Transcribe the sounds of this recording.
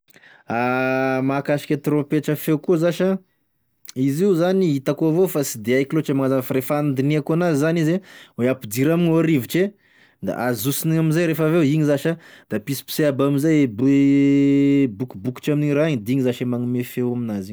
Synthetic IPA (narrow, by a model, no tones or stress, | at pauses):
amakaʃi̥kʲat̪iɾõpeʈ͡ʂəfewkuzaʃa | iziuzaniit̪akovofasid̪eajkiloʈ͡ʂemaazafɾefand̪iniakuanazizanizeweapid̪iɾaminoaɾiviʈ͡ʂe | d̪a̰ʔazusiniɲaminzajɾefəveiɲizaʃad̪apisi̥pi̥seabaminzajeb | bukubuki̥ʈ͡ʂaminiɾaɲd̪iɲizaʃemaŋimefewaminaziɲ